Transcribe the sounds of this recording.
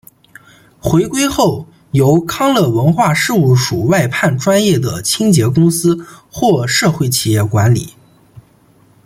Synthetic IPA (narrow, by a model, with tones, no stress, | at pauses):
xwe˧˥ɪkwe˥ɪxo˥˩ʊ | jo˧˥ʊkʰɑ˥ŋlɤ˥˩wə˧˥nxwa˥˧ʂɻ̩˥˧u˥˩ʂu˨˩wa˥˧ɪpʰa˥˩nʈ͡ʂwa˥njɛ˥˩d̪ə̰˩t͡ɕʰi˥ŋt͡ɕjɛ˧˥kʊ˥ŋsɹ̩˥xwɔ˥˧ʂɤ˥˧xwe˥˩ɪt͡ɕʰi˨˩jɛ˥˩kwa˧˥nlḭ˨˩˦